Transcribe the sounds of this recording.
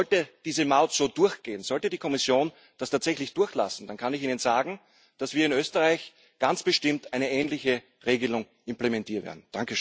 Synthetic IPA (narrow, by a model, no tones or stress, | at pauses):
ɔltəd̥iːzəmaʊtz̥oːdʊɐçɡ̥eːənz̥ɔltədiːkʰɔmɪsjoːn | d̥astʰaːtz̥ɛçlɪçd̥ʊɐçla̰sn̩d̥ankʰanɪçiːnənzaːɡŋ̩ | d̥asv̥iːɐɪnøːstəʁaɪç | ɡ̥ant͡sb̥əʃtɪmtæɪnəʔɛːnlɪçə | ʁeːɡəlʊŋ | ʔɪmplemɛntʰiːɐtvḛɐdn̩d̥aŋkəʃ